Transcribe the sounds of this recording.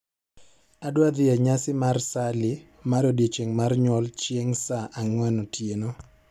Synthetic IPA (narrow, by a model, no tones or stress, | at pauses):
adwad̪ɪɛɲasɪmarsalɪ | madodet͡ʃeŋmarɲwɔlt͡ʃeŋsaʔaŋwɛnɔtjeno